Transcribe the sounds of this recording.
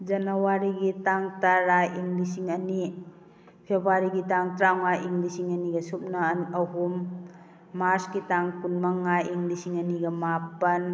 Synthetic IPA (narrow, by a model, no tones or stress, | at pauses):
d͡ʒɐnawaɾiɡitaŋtaɾajiŋlisiŋɐni | pʰebaɾiɡitaŋtɾawŋajiŋɡlisiŋɐniɡɐsup̚nanɐɦumː | aɾsɡitaŋkunmaŋajiŋɡlisiŋɐniɡɐmapɐn